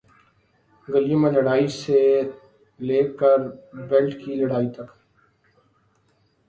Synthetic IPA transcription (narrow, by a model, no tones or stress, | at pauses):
ɡəljumə̃nlɐɽaːise | leːkəɾbɛlʈkilɐɽaːit̪ɐk